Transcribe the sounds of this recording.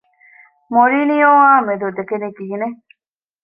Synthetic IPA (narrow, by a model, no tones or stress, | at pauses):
moɾiːnijoːaːmed̪ud̪ekeniɡiːne